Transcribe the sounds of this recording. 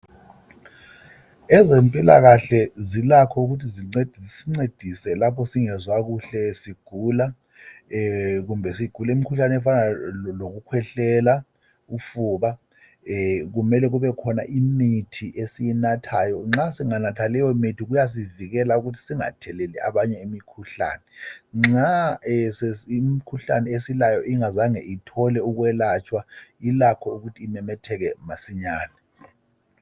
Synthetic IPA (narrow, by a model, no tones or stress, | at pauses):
ɛzempʼila̰ɣaɬɛzilakʰɔuɣutʰiziŋ͡ǀed̥ʱisiŋ͡ǀed̥ʱisɛlapʰɔsiŋɛzwaɣuɬɛsiɡ̥ʱula | ɣumbʱɛsiɡ̥ʱulaimikʰuɬanɛɛfanaloɣukʰwɛɬɛla | ufuːβa | ɣumɛlɛɣuβɛkʰɔna̰ʔimitʰiʔesijinatʰajɔŋ͡ǁasiŋanatʰalɛjɔmitʰiɣujas̬iviɣɛlauɣutʰi̥siŋa̰tʰɛlɛlɛʔa̰βaɲɛimikʰuɬa̰ːnɛŋ͡ǁasɛimikʰuɬa̰nɛesilajɔʔiŋazaŋɛʔitʰɔlɛuɣwɛlat͡ʃʰʼwailakʰɔuɣutʰiːmɛmɛtʰɛɣɛmasiɲaːnɛ